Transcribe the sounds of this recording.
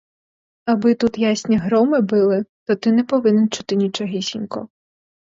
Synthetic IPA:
ɐbɪt̪ut̪jasʲnʲiɦɾɔmɪbɪlˠɪt̪ɔt̪ɪnɛpɔʋɪnɛnt͡ʃu̥t̪ɪnʲit͡ʃɔɦisʲḭnʲkɔ̰

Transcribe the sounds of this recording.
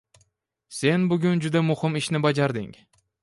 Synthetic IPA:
se̞nbʊɡʲʊnd͡ʒʊd̪amʊhɪmɪʃnɪbad͡ʒaɾd̪ɪŋ

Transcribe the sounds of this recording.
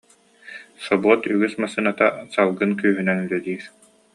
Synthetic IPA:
sɔbuɔt̪yɡysmasɯnat̪asalˠɡɯnkyːɦynɛnylɛd̪iːɾ

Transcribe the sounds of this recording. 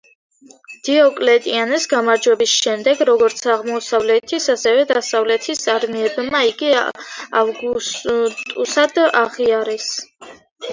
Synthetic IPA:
d̪̥iɔkʼlɛt̪ʼianisɡamaɾd͡ʒwɛbisʃɛmd̪ɛɡɾɔɡɔɾt̪sʰaʁmɔsavlɛt̪ʰisasɛvɛd̪asavlɛt̪ʰisaɾmiɛbmaiɡiavɡut̪ʼusad̪aʁiaɾɛs

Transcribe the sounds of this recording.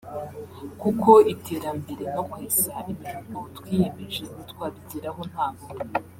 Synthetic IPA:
kukʰo̞itʰe̞ːɾambeɾe̞nokweːzaʔimiɾuɡotwiːjemeʒe̞notkwaːβiɟiɾaɦo̞n̥haːmo

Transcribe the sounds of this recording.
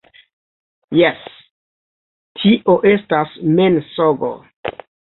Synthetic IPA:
jes | tʰiʔoʔe̞stasmensoɡo̰

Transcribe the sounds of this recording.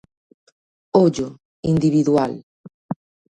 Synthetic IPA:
oʎo | ind̪iβiðwal

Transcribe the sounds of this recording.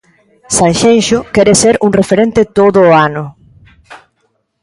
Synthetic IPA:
saŋʃenʃʊkɛɾeseɾuŋrefeɾent̪et̪oðʊːanʊ

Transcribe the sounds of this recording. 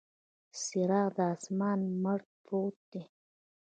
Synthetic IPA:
sɪɾɑːqd̪əɑsmɑːnməɽ̚ | pot̪̚d̪̥e

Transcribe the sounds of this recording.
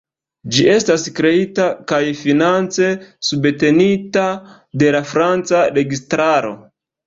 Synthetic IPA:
d͡ʒiʔe̞staskɾe̞itakajfinant͡se̞subte̞nita | de̞lafɾant͡saɾe̞ɡistɾaɾo̞̰

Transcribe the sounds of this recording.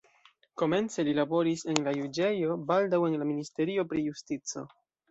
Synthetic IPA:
ko̞me̞nt͡se̞lilabo̞ɾise̞nlajud͡ʒe̞jo̞baldawe̞nlaministe̞ɾio̞pɾijustit͡so̞̰

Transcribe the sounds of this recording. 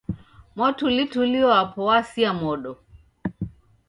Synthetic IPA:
mɔtulituliɔapɔwasiamɔɗɔ

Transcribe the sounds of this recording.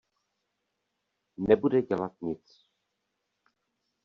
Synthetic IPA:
nɛbudɛɟɛlat̪̚ɲɪt͡s

